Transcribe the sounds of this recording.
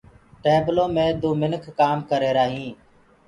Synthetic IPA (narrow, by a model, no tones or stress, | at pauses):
ʈeːbloːmẽːd̪uːmɪnkʰːaːmkəɾeːɾaːɦĩː